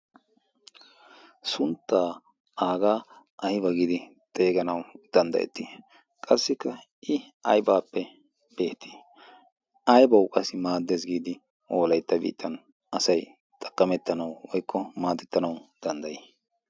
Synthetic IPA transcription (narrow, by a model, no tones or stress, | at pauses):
sʊnt̪ːaː | ʔaːɡaː | ʔɐhɪbɐɡiːd̪ɪt̪ʼe̞ːɡɐnɐwd̪̥ɐnd̪ɐ̰ʔɛ̰t̪ːi | kʼɐsːɪkːɐ | ʔɪ | ɐjbaːpːɛ | b̥e̞ːt̪ʰːi̥ː | ɐjbɐwkʼɐsɪmaːd̪ːesɡiːd̪ɪ | ʔoːlɐjt̪ːɐbḭːt̪ʰːɐn | ɐsɐj | t̪ʼɐ̥kʼːɐmɛt̪ːɐnɐwwɔjkːɔmaːt̪ɛt̪ːɐnɐwd̪̥ɐnd̪ɐjeː